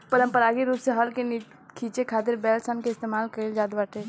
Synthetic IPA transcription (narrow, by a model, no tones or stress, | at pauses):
pəɾəmpəɾaɡiɾupseɦəlkeni | kʰit͡ʃekʰat̪iɾbɛlsənkeɪst̪emaːlkəeld͡ʒad̪baʈʰe